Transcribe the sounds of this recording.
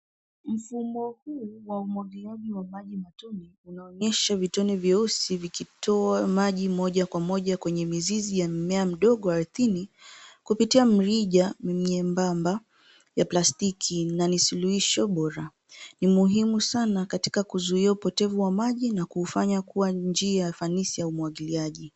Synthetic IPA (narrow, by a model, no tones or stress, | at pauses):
m̩fumɔhuːwaumɔɡiaʄiwamaʄimatɔniunaɔɲɛʃavitɔnivjɛɔsivikitʰɔamaʄimɔʄakwamɔʄakwɛɲɛmizizijamɛam̩ɗɔɠɔaɾuθinikupitiam̩ɾiʄamimɲɛmbamba | japlastikʰinanisuluhiʃɔɓɔɾa | nimuɦimusanakati̥kakuzuiaupɔtɛvuwamaʄinakuːfaɲakuwand͡ʒiaafanisijaumwaɠiliaʄi